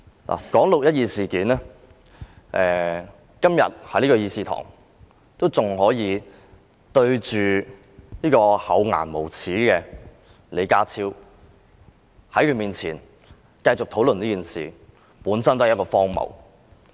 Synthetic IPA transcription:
lʔa̰ː˨kɔː˨˥ŋlʊ˨k̚jɐ˥t̚jiː˨˧siː˨kiː˨˥nɛː˥ | ʔɛː˨˩ | kɐ˥mjɐ̰˨t̚hɐ˨˥jniː˥ɔ˧jiː˧siː˧t̪ʰɔ̰ː˨˩ŋ | t̪o˥wt͡sʊ˨ŋɦɔː˨˥jiː˨˧ | t̪ɵ˧ɥt͡ʃyː˨ | niː˥kɔː˧hɐ˨˧˥wŋa̰ː˨˩nmo˨˩wt͡sʰiː˨˥kɛː˧ | le˨˩jkaː˧t͡sʰiː˧w | hɐ˨˥jkʰɵ˧miː˨nt͡sʰiː˨˩n | kɐ˧jt͡sʊ˨k̪̚ʰo˨˥wlə˨niː˥kiː˨˩nsḭː˨ | puː˨˥nsɐ˥nt̪o˥hjkɔː˧fɔː˥ŋmɐ̰˨˩w

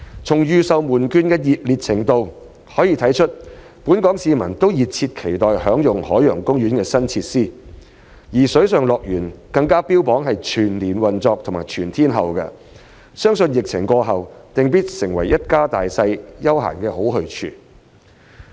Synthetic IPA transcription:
t͡sʰʊ˨˩ŋjyː˨sɐ˨wmuː˨˩nkyː˧nkɛː˧jiː˨t̚liː˨t̚t͡sʰɪ˨˩ŋt̪o˨˧w | hɔː˨˥jiː˧t̪ʰɐ˨˥jt͡ʃʰɵ˥t̚ | puː˨˥nkɔː˨˥ŋsiː˧mɐ˨˩nt̪o˥wjiː˨t̚t͡sʰiː˧t̚kʰe˨˩jt̪ɔː˨˩jhœː˨˥ŋjʊ˨ŋhɔː˨˥jœː˨˩ŋkʊ˥ŋɥyː˨˥nkɛː˧sɐ˥nt͡sʰiː˧t̚siː˥˩ | jiː˨˩sɵ˨˥ɥsœː˨ŋlɔː˨k̚jyː˨˩nkɐ˧ŋkaː˥piː˥wpɔː˨˥ŋɦɐ˨jt͡ʃʰyː˨˩nliː˨˩nwɐ˨nt͡sɔː˧k̚t̪ʰʊ˨˩ŋmaː˨˩jt͡ʃʰyː˨˩nt̪ʰiː˥nɦɐ˨wkɐ̰˧ | sœː˥ŋsɵ˧njɪ˨k̚t͡sʰɪ̰˨˩ŋkʷɔː˧ɦɐ˨wt̪ɪ˨ŋp̬iː˥t̚sɪ˨˩ŋwɐ˨˩jːɐ˥t̚kaː˥t̪aː˨jsɐ˧jjɐ˥wɦa̰ː˨˩nkɛː˧ɦo˨˥wɦɵ˧ɥt͡ʃʰy̰ː˧

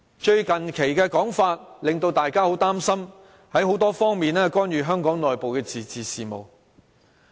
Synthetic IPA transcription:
t͡ʃɵ˧ɥkɐ˨nkʰe˨˩jkɛː˧kɔː˨˥ŋfaː˧t̚lɪ˨ŋt̪o˧wt̪aː˨jkaː˥ho˨˥wt̪aː˥msɐ˥m | hɐ˨˥jɦo˨˥wt̪ɔː˥fɔː˥ŋmiː˨˩nɛː˥kʷɔː˥njyː˨˧ɦœː˥ŋkɔː˨˥ŋlɔː˨jpo˨wkɛː˧t͡siː˨t͡siː˨siː˨mo̰˨w

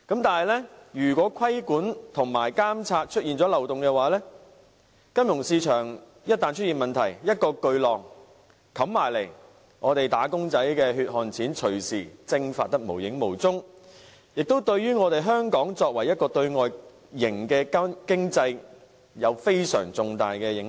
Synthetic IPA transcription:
kɐ˨˥mt̪aː˨nhɐ˨jlɛː˥jyː˨˩kwɔː˨˥kʰɐ˥jkuː˨˥nt̪ʰʊ˨˩ŋmaː˨˩jkaː˥mt͡sʰaː˧t̚t͡ʃʰɵ˥t̚iː˨nt͡sɔː˨˥lɐ˨˩wt̪ʊ˨ŋkɛ˧waː˨˥lɛː˥ | kɐ˥mjʊ˨˩ŋsiː˧t͡ʃʰœː˨˩ŋ | jɐ˥t̚t̪aː˨nt͡ʃʰtjiː˨nmɐ˨nt̪ʰɐ˨˩jjɐ˥t̚kɔː˧kɵ˧ɥlɔː˨˩ŋ | kʰɐ˨˧˥mmaː˨˩jle˨˩j | ŋɔː˨˧t̪e˨jt̪aː˨˥kʊ˥ŋt͡sɐ˨˥jkɛː˧hyː˧t̚hɔː˨˩nt͡sʰiː˨˥nt͡ʃʰɵ˨˩ɥsiː˨˩t͡sɪ˧ŋfa̰ː˧t̚t̪ɐ˥k̚mo˨˩wjɪ˨˥ŋmo˨˩wt͡sʊ˥ŋ | jɪ˨k̚t̪o˥wt̪ɵ˧ɥɥyː˥ŋɔː˨˧t̪e˨jɦœː˥ŋkɔː˨˥ŋt͡sɔː˧k̚wɐ˨˩jɐ˥t̚kɔː˧t̪ɵ˧ɥŋɔː˨j | jɪ˨˩ŋkɛː˧kkɪ˥ŋt͡sɐ˧j | jɐ˨˧wfe˥jsœ̰ː˨˩ŋt͡sʊ˨˧ŋt̪a̰ː˨jkɛː˧jɪ˨˥ŋ

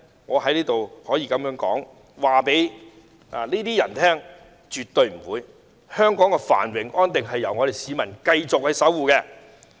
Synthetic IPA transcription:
ŋɔː˨˧ɦɐ˨˥jliː˥t̪o˨whɔː˨˥jiː˧kɐ˨˥mjœː˨˥ŋkɔ̰ː˨˥ŋ | waː˨pe˨˥j | a̰ː˨˩niː˥t̪iː˥jɐ̰˨˩nt̪ʰɛː˥ŋ | t͡ʃyː˨t̪ːɵ˨˧ɥm̩˨˩wuː˨˧j | hœː˥ŋkɔː˨˥ŋkɛː˧fa̰ː˨˩nwɪ˨˩ŋʔɔː˥nt̪ɪ˨ŋɦɐ˨jːɐ˨˩wŋɔ˨˧ɾe˨jsiː˨˧mɐ˨˩nkɐ˧jt͡sʊ˨k̚hɐ˨˧jsɐ˨˥wuː˨˧kɛː˧

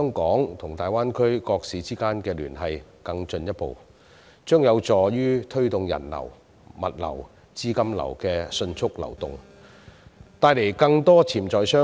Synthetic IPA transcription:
ɛ˥ŋkɔː˨˥ŋt̪ʰʊ˨˩ŋt̪aː˨jwaː˥nkʰɵ˥ɥkɔː˧k̚siː˨˧t͡siː˥kaː˥nkɛː˧lyː˨˩nɦɐ˨j | kɐ˧ŋt͡ʃɵ˧njɐ˥t̚po̰˨w | t͡ʃœː˥ŋjɐ˨˧wt͡sɔː˨˩jyː˥t̪ʰɵ˥ɥt̪ʊ˨ŋjɐ̰˨˩nlɐ̰˨˩w | mɐ˨t̚lɐ̰˨˩w | t͡siː˥kɐ˥mlɐ̰˨˩wkɛː˧sɵ˧nt͡sʰʊ˥k̚lɐ̰˨˩wt̪ʊ˨ŋ | t̪aː˧jle˨˩jkɐ˧ŋt̪ɔː˥t͡sʰiː˨˩mt͡sɔː˨˧jsœː˥

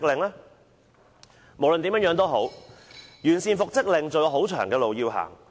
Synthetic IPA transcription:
k̚lɪ˨ŋlɛː˥ | mo˨˩wlə˧nt̪iː˨˥mœː˧˥ŋjœː˨˥ŋt̪o˥ɦo˨˥w | jyː˨˩nsiː˨nfʊ˨k̚t͡sɪ˥k̚lɪ˨ŋt͡sɵ˧ɦo˨˥wt͡ʃʰœ̰ː˨˩ŋkɛː˧lo˨wjiː˧wɦa̰ː˨˩ŋ

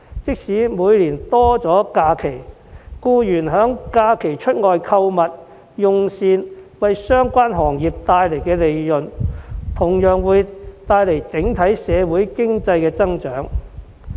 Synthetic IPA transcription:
t͡sɪ˥k̚siː˨˥muː˨˧jliː˨˩nt̪ɔː˥t͡sɔː˨˥kaː˧kʰe˨˩j | kuː˧jyː˨˩nɦœː˨˥ŋkaː˧kʰe˨˩jt͡ʃʰɵ˥t̚ŋɔː˨jkʰɐ˧wmɐ˨t̚ | jʊ˨ŋsiː˧nwɐ˨jsœː˥ŋkʷaː˥nɦɔː˨˩ŋjiː˨˩p̚t̪aː˧jle˨˩jkɛː˧le˨jlɵ˨nt̪ʰʊ˨˩ŋjœː˨ŋwuː˨˧jt̪aː˧jle˨˩jt͡sɪ˨˥ŋt̪ʰɐ˨˥jsɛː˨˧wuː˨˥jkɪ˥ŋt͡sɐ˧jkɛː˧t͡sɐ˥ŋt͡ʃœː˨˥ŋ

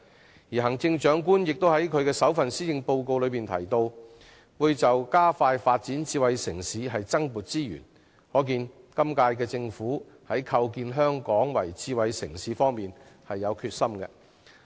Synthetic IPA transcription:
jiː˨ɦɐ˨˩ŋt͡sɪ˧ŋt͡ʃœː˨˥ŋkuː˥njɪ˨k̚t̪o˥whɐ˨˥jkʰɵ˨˧ɥkɛː˧sɐ˨˥wfɐ˨nsiː˥jɪ˧ŋpo˧wko˧wlɵ˨˧ɥpiː˨nt̪ʰɐ̰˨˩jt̪o˧w | wuː˨˧jt͡sɐ˨wkaː˥faː˧jfaː˧t̚t͡siː˨˥nt͡siː˧wɐ˨˧jsɪ˨˩ŋsiː˨˧ɦɐ˨jt͡sɐ˥ŋmuː˨t̚t͡siː˥jy̰˨˩n | hɔː˨˥k̬iː˧n | kɐ˥mkaː˧jkɛː˧t͡sɪ˧ŋfuː˨˥ | hɐ˨˥jkʰɐ˧wkiː˧nɦœː˥ŋkɔː˨˥ŋwɐ̰˨˩jt͡siː˧wɐ˨jsɪ̰˨˩ŋsiː˨˧fɔː˥ŋmiː˨nhɐ˨jːɐ˨˧wkʰyː˧t̚sɐ˥mkɛ̰˧

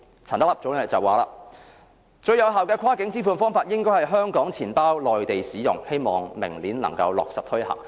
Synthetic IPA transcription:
t͡sʰaː˨˩nt̪̚lɐ˨p̚t͡so˨˥wnɛ˥t͡sɐ˨wːaː˨laː˧ | t͡ʃɵ˧ɥjɐ˨˧wɦaː˨wkɛː˧kʷʰaː˥kɪ˨˥ŋt͡siː˥fuː˨˧nfɔː˥ŋfaː˧t̚jɪ˥ŋkɔː˥hɐ˨˩jɦœː˥ŋkɔː˨˥ŋt͡sʰiː˨˩npaː˥wlɔː˨jt̪e˨jsiː˨˥jʊ̰˨˩ŋhe˥jmɔː˨ŋmɪ˨˩ŋliː˨˥nlɐ̰˨˩ŋkɐ̰˧wlɔ̰ː˨k̚sɐ˨p̚t̪ʰɵ˥ɥhɐ̰˨˩ŋ

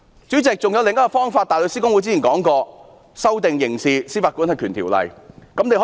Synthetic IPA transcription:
t͡syː˨˥t͡sɪ˨k̚t͡sʊ˨ŋjɐ˧wlɪ˨ŋɐ˥kɔ˧fɔː˥ŋfaː˧t̚t̪aː˨jlə˨˧siː˥kʊ˥ŋwu˨˧˥t͡siː˥˩i˨˩kɔː˨˥ŋkɔː˧ | sɐ˥wt̪ɪ˨ŋjɪ˨˩ŋsiː˨siː˥˩faː˨˧tkuː˨˥nhɐ˨jkʰyː˨˩nt̪ʰiː˨˩wlɐ̰˨˩jkɐ˨˥mne˨jhɔ˨˧

